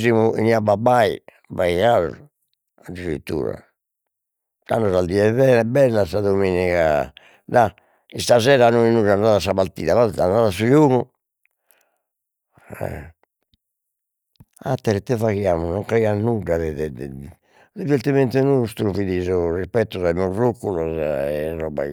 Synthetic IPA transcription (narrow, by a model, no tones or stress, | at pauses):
zimuḭniababai | vaiɣaz | ad̪iɾḭt̪ːṵːɾa̰ | a̰nːɔzald̪iɛvɛɛbɛlːasaðomeːnika̰ | d̪a | ist̪azɛːɾanoinuɾanaːðas̬aβaɾt̪ḭːðaβaandaːðasud͡ʒoːɣu | ɛ̰ | at̪ːɛɾɛt̪ːɛvaɣjaːmunɔŋkɾɛanuɖaðɛd̪ɛd̪ɛ | d̪iveɾt̪imɛnt̪ɛnust̪ɾuviðizɔrispɛt̪ːɔzaimurːukːulɔzrɔba̰